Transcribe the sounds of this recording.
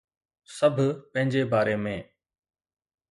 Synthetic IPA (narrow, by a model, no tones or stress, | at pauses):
səbʱpə̃ɦɪ̃ɲd͡ʑebaːɾeːmẽː